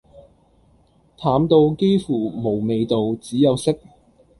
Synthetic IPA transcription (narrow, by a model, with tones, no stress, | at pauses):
t̪ʰaː˨˥mt̪o˧wke˥jfuː˨˩mo˨˩wme˨˧jt̪o˨wt͡siː˨˥jɐ˨˧wsɪ˥k̚